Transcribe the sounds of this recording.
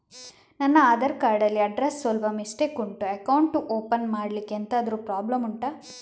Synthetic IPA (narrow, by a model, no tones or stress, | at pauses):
nɐnːɐaːd̪ɐɾkaːɾɖɐlːiɐɖɾesːʋɐlʋɐmisʈekuɳʈuɐkɐwɳʈuʔoːpɐnmaːɽlikːent̪aːd̪ɐɾupɾaːblɐmuɳʈɐ